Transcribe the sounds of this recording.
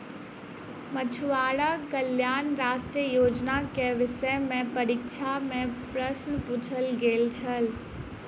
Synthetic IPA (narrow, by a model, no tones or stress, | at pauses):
mɐt͡ɕʰuʋaːɽakəljaːnɾaːʃʈɾiəjoːd͡ʒnakeʋɪʃəmẽpɐɾiːkʃʰamẽpɾɐsnpʊt͡ʃʰəlɡeːlt͡ʃʰəl